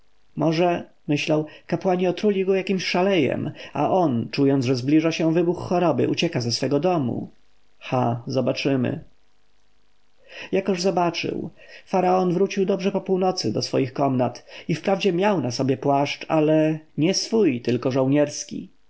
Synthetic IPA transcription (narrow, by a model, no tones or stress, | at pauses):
mɔʐɛ | mɘɕlawkapwaɲiɔt̪ɾulʲiɡɔjakʲimɕʂalɛjɛ̰ma̰ʔɔnt͡ʂujɔnd̪ʐɛzblʲiʐaɕɛ̃vɘbuxːɔɾɔbɘ̰ʔut͡ɕɛkazɛsfɛɡɔd̪ɔmṵ | xazɔbat͡ʂɘmɘ̰ | jakɔʐzɔbat͡ʂɘ̰wfaɾaɔnvɾut͡ɕiwd̪ɔbʐɛpɔpuwnɔt̪sɘd̪ɔsfɔ̰jixkɔmnat̪ifpɾavd͡ʑɛmʲjawnasɔbʲjɛpwaʂt͡ʂalɛɲɛsfujt̪ɘlkɔʐɔwɲɛɾskʲḭ